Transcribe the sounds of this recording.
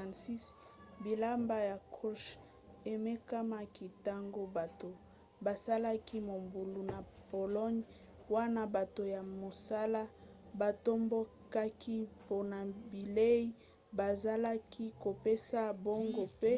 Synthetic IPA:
a˨nsi˦s | bi˨la˦mba˦ja˨kʰo˦ʃ | e˨me˦ka˦ma˦ki˦ta˦ŋɡo˦ba˨to˨ | ba˨sa˦la˦ki˦mo˨mbu˨lu˨na˨ | po˨lɔ˦ɲ | wa˦na˦ba˨to˨ja˨mo˨sa˦la˦ | ba˨to˦mbo˦ | ka˦ki˦po˨na˨bi˨le˦i˦ | ba˨za˦la˦ki˦ko˨pe˦sa˦bo˦ŋɡo˦˨pe˦

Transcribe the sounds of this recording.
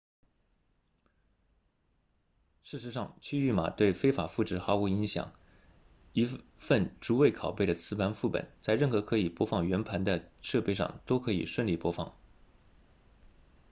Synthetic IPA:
ʂɻ̩˥˩ʂɻ̩˧˥ʂɑ˥˧ŋt͡ɕʰy˥˧y˥˩ma̰˨˩t̪we˥˩ɪfe˥ɪfa˨˩fu˥˩ʈ͡ʂɻ̩˧˨˥xa˧˥u˧˥i˧˥ŋɕjɑ̰˨˩˦ŋ | i˧˥fə˥˩nʈ͡ʂu˧˥we˥˩ɪkʰɑ˨˩ʊpe˥˩ɪd̪ə˩t͡sʰɹ̩˧˥pʰa˧˥nfu˥˩pə̰˨˩˦nt͡sa˥˧ɪɻə˥˩nxɤ˧˥kʰɤ˧˥i˨˩pwɔ˥fɑ˥˩ŋɥɛ˧˥npʰa˧˥nd̪ə˧ʂɤ˥˧pe˥˧ɪʂɑ̰˥˩ŋt̪o˥ʊkʰɤ˧˥ḭ˨˩ʂwə˥˧nli˥˩pwɔ˥fɑ̰˥˩ŋ

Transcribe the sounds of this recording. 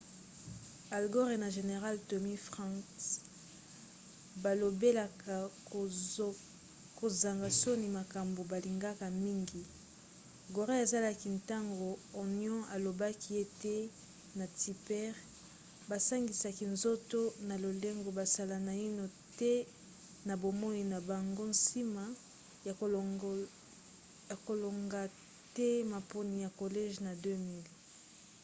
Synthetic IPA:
a˨lɡo˦ʁe˨na˨ʒe˨ne˨ʁa˦lto˨mi˦fʁɑ̃˦s | ba˨lo˨be˦la˨ka˨ | ko˨za˨ŋɡa˨so˦ni˨ma˨ka˨mbo˨ba˨li˨ŋɡa˦ka˨mi˦ŋɡi˨ | ɡo˨ʁe˦e˨za˦la˦ki˨nta˦ŋɡoː˨njɔ̃˦ʔa˨lo˨ba˦ki˦e˦te˦ | na˨ti˨pɛ˦ʁ | ba˨sa˦ŋɡi˨sa˨ki˨nzo˦to˦na˨lo˨le˦ŋɡo˨ba˨sa˦la˨na˨i˦no˨ | tɛ˦ | na˨bo˨mo˦i˨na˨ba˨ŋɡo˦n̩˦si˦ma˨ | ja˨ | ja˨ko˨lo˨ŋɡa˨ | tɛ˦ma˨po˦ni˨ja˨ko˨le˦ʒna˨dø˦mi˦l

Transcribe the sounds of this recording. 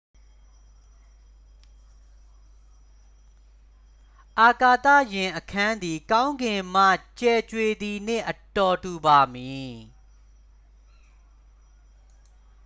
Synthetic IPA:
ʔa˨ka˨t̪ä̰˦˨jɪ̃˨ʔəkʰã˦nd̪i˨kã˦ʊ̃ŋɡɪ̃˨m̥ä̰˦˨t͡ɕɛ˨t͡ɕwe˨d̪i˨n̥ɪ̰̃˦˨ʔə˨tɔ˨tu˨ba˨mi˨

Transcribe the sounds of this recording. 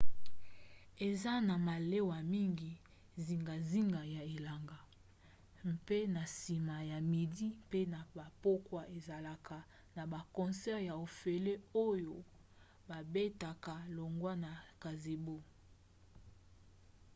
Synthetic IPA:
e˨za˦na˨ma˨le˦wa˨mi˦ŋɡi˨ | zi˨ŋɡa˨zi˦ŋɡa˨ja˨e˨la˨ŋɡa˨ | pe˦na˨si˨ma˨ja˨mi˨di˦pe˦na˨ba˨po˦kwa˦ʔe˨za˨la˨kʰa˨ | na˨ba˨kɔ̃˨nsɛ˦ʁja˨o˨fe˨le˦o˦jo˨ | ba˨be˦ta˨ka˨lo˨ŋɡwa˦na˨ka˨ze˨bo˦

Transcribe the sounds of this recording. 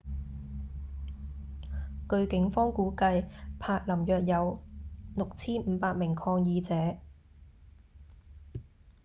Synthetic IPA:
kɵ˧ɥkɪ˨˥ŋfɔː˥ŋkuː˨˥kɐ˧jpʰaː˧k̚lɐ˨˩mjœː˨k̚jɐ˨˧wlʊ˨k̚t͡sʰiː˥nm̩ː˨˧˦paː˧t̚mɪ˨˩ŋkʰɔː˧ŋjiː˧t͡sɛː˨˥

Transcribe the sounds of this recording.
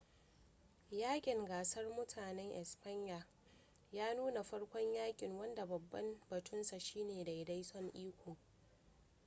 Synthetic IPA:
jaː˦kʲʼɪ˨ŋɡaː˨sɐ˦rmʊ˦tʰaː˨nɛ˦ŋʔɛ̰˨sɸa˦ɲjaː˨ | jaː˦nuː˦na˨ɸɐ˦ɽkʷɔ˦ɲjaː˦kʲʼɪ˨ŋwɐ˦nda˨bɐ˨bːɐ˦mbɐ˨tʰʊ˦nsa˨ʃiː˦neː˨da˨jda˦jsɔ˦ŋʔiː˦kʷoː˨

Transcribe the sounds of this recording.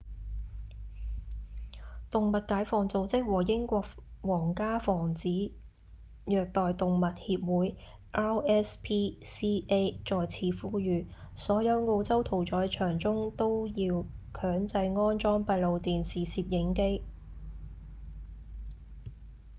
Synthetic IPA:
t̪ʊ˨ŋmɐ˨t̚kaː˨˥jfɔː˨˩ŋt͡so˨wt͡sɪ˥k̚wɔː˨˩jɪ˥ŋkʷɔː˧k̚wɔː˨˩ŋkaː˥fɔː˨˩ŋt͡siː˨˥ | jœː˨k̚t̪ɔː˨jt̪ʊ˨ŋmɐ˨t̚hiː˧p̚wuː˨˥j | ʔaː˥wɛː˥spʰiː˥siː˥ʔe˥jt͡sɔː˨jt͡sʰiː˧fuː˥jyː˨sɔː˨˥jɐ˨˧wŋo˧wt͡sɐ˥wt̪ʰo˨˩wt͡ʃɔː˨˥jt͡ʃʰœː˨˩ŋt͡sʊ˥ŋt̪o˥wjiː˧wkʰœː˨˥ŋt͡sɐ˧jŋɔː˥nt͡ʃɔː˥ŋpɐ˧t̚lo˨˧wt̪iː˨nsiː˨˩siː˧p̚jɪ˨˥ŋke˥j

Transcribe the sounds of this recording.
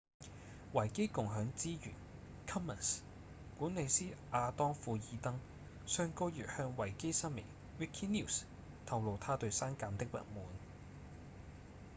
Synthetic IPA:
wɐ˨˩jke˥jkʊ˨ŋɦœː˨˥ŋt͡siː˥jy̰ː˨˩n | kʰɐ˥mːɐ˨˩s | kuː˨˥ne˨˧jsiː˥ʔaː˧t̪ɔː˥ŋfuː˧jiː˨˧t̪ɐ˥ŋ | sœː˧ŋkoː˥jyː˨t̚hœː˧ŋwɐ˨˩jke˥jsɐ˥nmḛ˨˩ŋ | wi˥kʰi˥niː˥˩s | t̪ʰɐ˨˧wlo˨wt̪ʰaː˥t̪ɵ˧ɥsaː˥nkaː˧mt̪ɪ˥k̚mɐ̰˨t̚muː˨˥n

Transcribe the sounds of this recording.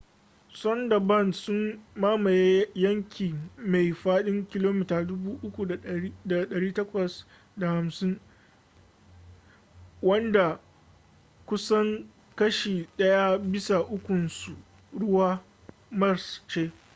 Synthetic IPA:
sɔ˦ndɐ˨bɐ˦˨nsʊ˦mmaː˦ma˨je˦jɐ˦ŋkʲʰiː˨ma˨jɸaː˦ɗɪ˦ŋkʲɪ˦loː˦mɪ˦taː˨dʊ˦buː˦ʔʊ˦kʷu˨˦da˨ɗɐ˨ɽiː˦tɐ˦kʷɐ˨s | da˨ha˨msɪ˦ŋ | wɐ˦nda˨ | kʷʊ˦sɐ˦ŋ | kɐ˦ʃiː˨ɗɐ˦ja˦bɪ˦sa˨ʔʊ˦kʷʊ˨nsu˨ | ɽʊ˦waː˦ | mɐ˦rst͡ʃeː˦

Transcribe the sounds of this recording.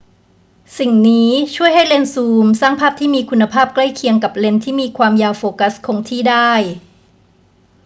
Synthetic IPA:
si˨˩ŋniː˦˥t͡ɕʰu˥˩əjɦa˥˩jle˧nsuː˧msaː˥˩ŋpʰaː˥˩p̚t̪ʰiː˥˩miː˧kʰu˧nːa˧pʰaː˥˩p̚kla˥˩jkʰi˧əŋka˨˩p̚le˧nt̪ʰiː˥˩miː˧kʰwaː˧mjaː˧wfoː˧ka˦˥skʰoː˧ŋt̪ʰiː˥˩daː˥˩j

